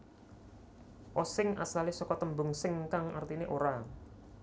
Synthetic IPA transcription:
ʔɔsɪŋa̰salisɔkɔt̪əmbʊŋsɪŋkaŋart̪ineʔoɾa

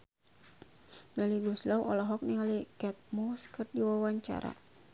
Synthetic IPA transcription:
baliɡuslauʔɔlaɦɔk̚niŋalikɛt̪̚mɔskərdiwawaɲt͡ʃa̰ɾa̰

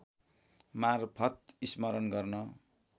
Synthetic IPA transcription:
marpʰʌt̪ismʌɾʌnɡʌrnʌ

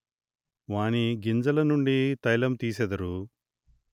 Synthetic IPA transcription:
ʋaːɳiɡind͡ʒɐlɐnuɳɖit̪ɐjlɐmt̪iːsed̪ɐɾu

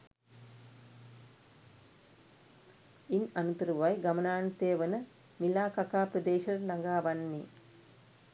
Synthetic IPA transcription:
inɐnut̪ɐɾuʋɐjɡɐmɐnaːɳt̪eːʋɐnə | milaːkɐkaːpɾɐd̪eːʃɐɾnɐŋɡaːʋɐnːi

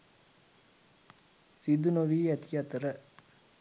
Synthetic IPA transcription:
sid̪unoʋiːɛt̪ijɐt̪əɾə

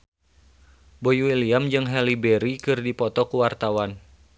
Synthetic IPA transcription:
bojwiliamd͡ʒɨŋɦɛlibeɾikɨrdipɔt̪ɔkuwart̪awan

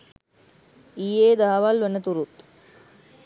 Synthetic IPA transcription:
ijeːd̪aɦɐʋalʋɐnət̪uɾut̪

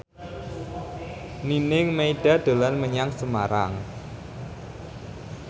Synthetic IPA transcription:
ninɪŋmeiɖ̥a̤d̪̥o̤lanməɲaŋsəmaɾa̰ŋ

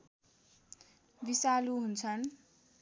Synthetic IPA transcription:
bisaluɦunt͡sʰʌn

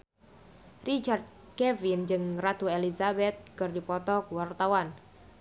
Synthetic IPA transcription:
rit͡ʃard̪̚ | kɛvind͡ʒɨŋrat̪uelizabɛt̪̚kɨrdipɔt̪ɔkwart̪awan

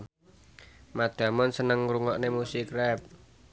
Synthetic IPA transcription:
mad̪̥a̤mɔnsənəŋɾuŋɔʔnemusikrɛp̚

